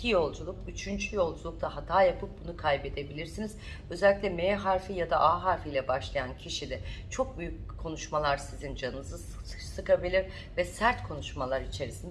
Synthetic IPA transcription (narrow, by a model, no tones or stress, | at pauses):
cʰijo̞lˠd͡ʒulˠukyt͡ʃʰynd͡ʒʰyjo̞lˠd͡ʒulˠuk̚t̪ʰahat̪ʰaːjapʰɯp̚bunukʰajbe̞d̪e̞bilʲiɾsiniz̥ | øzɛlʲːicʲlʲɛmeːɦaɾfijad̪aʔaɦaɾfijlʲɛbaʃlˠajancʰiʃilʲɛt͡ʃʰo̞k̚byjyc̚ | kʰːo̞nuʃmalˠaɾsizind͡ʒanɯnɯzɯ̥ | sɯkʰabilʲiɾ | vɛsæɾt̪kʰo̞nuʃmalˠaɾit͡ʃʰe̞ɾisind̪